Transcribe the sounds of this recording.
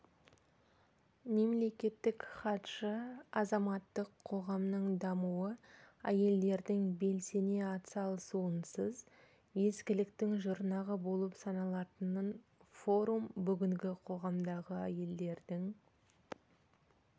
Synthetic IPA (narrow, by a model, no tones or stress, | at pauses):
me̞mle̞kʲe̞t̪ːɪkχɑt̪ʃəɑzɑmɑt̪ːəqʰːo̞ʁɑmnəɴd̪ɑmuwəæje̞ld̪e̞ɾd̪ɪŋbe̞lse̞ne̞ɑt̪sɑlˠsuənsəz | je̞skʲɪlɪkt̪ɪŋʒʊɾnɑʁəbo̞lˠəpsɑnɑlˠɑt̪ənən | fo̞ɾumbʏɡʲɪŋɡʲɪqʰo̞ʁɑmd̪ɑʁəæje̞ld̪e̞ɾd̪ɪŋ